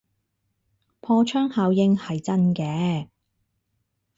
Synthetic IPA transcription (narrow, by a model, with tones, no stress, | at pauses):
pʰɔː˧t͡ʃʰœː˥ŋhaː˨˧wjɪ˧ŋhɐ˨jt͡sɐ˥nkɛː˨˧